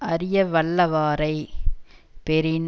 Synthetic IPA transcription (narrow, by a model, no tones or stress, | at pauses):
ɐɾɪjɐʋɐɭːɐʋaːɾɐɪ | pɛɾɪn